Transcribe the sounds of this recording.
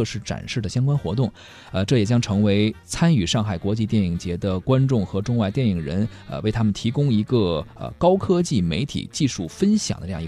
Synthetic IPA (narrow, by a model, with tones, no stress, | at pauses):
ʂɻ̩˥˩ʈ͡ʂa̰˨˩nʂɻ̩˥˩d̪ə˩ɕjɑ˥ŋkwa˥nxwɔ̰˧˥t̪̬ʊ˥˩ŋ | ə˧ʈ͡ʂɤ˥˩jɛ˨˩t͡ɕjɑ˥ŋʈ͡ʂʰɤ˧˥ŋwe˧˥ɪt͡sʰa˥ny˨˩ʂɑ˥˩ŋxa˨˩ɪkwɔ˧˥t͡ɕi˥˧t̪jɛ˥˩ni˨˩ŋt͡ɕjɛ˧˥d̪ə˧kwa˥nʈ͡ʂʊ˥˩ŋxɤ˧˥ʈ͡ʂʊ˥˧ŋwa˥˧ɪt̪jɛ˥˩ni˨˩ŋɻə̰˧˥n | ə̰˧we˥˩ɪt̪ʰa˥mə˨nt̪ʰi˧˥kʊ˥ŋi˧˥ɡə˧ə̰˧˩kɑ˥ʊkʰɤ˥t͡ɕi˥˩mḛ˧˥ɪt̪ʰḭ˨˩t͡ɕi˥˧ʂu˥˩fə˥nɕjɑ̰˨˩d̪ə˦ʈ͡ʂjɑ˥˩˧